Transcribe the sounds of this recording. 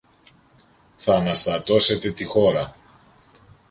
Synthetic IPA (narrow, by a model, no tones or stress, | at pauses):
θɐːnɐst̪ɐt̪o̞se̞t̪e̞t̪ixo̞ɾɐ